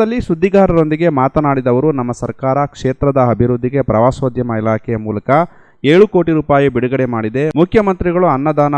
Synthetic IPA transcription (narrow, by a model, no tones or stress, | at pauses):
ɐlːisud̪ʱːiɡaːɾɐɾo̞nd̪iɡe̞maːt̪ɐnaːɽid̪ɐʋɐɾunɐmːɐsɐɾkaːɾɐkʂeːt̪ɾɐd̪ɐɐbʱiɾud̪ʱːiɡepɾɐʋaːsoːd̪ʱjɐmɐilaːkʰɛjɐmuːlɐkɐ | eːɭuko̞ːʈiɾuːpaːjibiɽuɡɐɽe̞maːɽid̪e̞mukʰjɐmɐnt̪ɾiɡɐɭuɐnːɐd̪aːnɐ